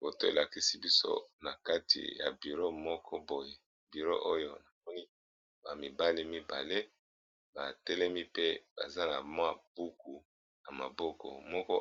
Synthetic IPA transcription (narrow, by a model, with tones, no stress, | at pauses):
bo˨to˦e˨la˨ki˦si˦bi˦so̰˦na˨ka˦tḭ˨ja̰˨bi˨ʁo˦mɔ˦kʰɔ˦bo˨je˨ | bi˨ʁo̰˦ʔo˦jo˦na˨mɔ˦ni˦ | ba˨mi˨ba˦li˦mi˦ba̰˨le˦ | ba˨tɛ˦lɛ˦mi˦pe˦b̥a̰˨za˦na˨mwa˦b̥u˦ku˨ | na˨ma˨bɔ˦kɔ̰˨mɔ˦kɔ˦